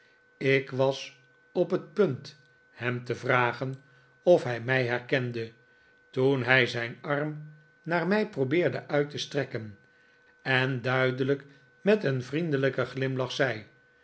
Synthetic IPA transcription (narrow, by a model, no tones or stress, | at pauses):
ɪkʋɑs | ɔpɦət̚pɵnt | hɛmtəvraːχən | ɔfɦɛjmɛjɦɛɹkɛndə | tunɦɛjzɛjnɑrm | naːɹmɛjprobɪːɹdəʔœɥtəstrɛkən | ɛndœɥdələk | mɛtənvrindələkəχlɪmlɑχsɛj